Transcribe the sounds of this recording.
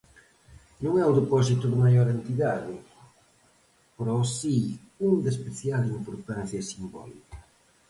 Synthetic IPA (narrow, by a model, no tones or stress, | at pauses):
nũŋɛʊðepɔs̬it̪ʊðɪmajɔɾent̪iðaðɪ | poɾɔsi | uŋd̪ɐspeθjalimpoɾt̪an̟θjɐsimbɔ̰likɐ̥